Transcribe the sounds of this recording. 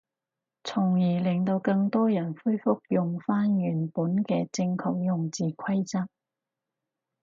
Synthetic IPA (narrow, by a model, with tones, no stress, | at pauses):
t͡sʰʊ˨˩ŋjiː˨˩lɪ˨ŋt̪o˧wkɐ˧ŋt̪ɔː˥jɐ˨˩nfu˥jfʊ˥k̚jʊ˨ŋfaː˥njyː˨˩npuː˨˥nkɛː˧t͡sɪ˧ŋkʰɔ̰ː˨k̚jʊ˨ŋt͡siː˨kʰɐ˥jt͡sa˥k̚